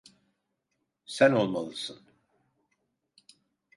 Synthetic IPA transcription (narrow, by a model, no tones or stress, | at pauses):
sæno̞lˠmalˠɯsɯn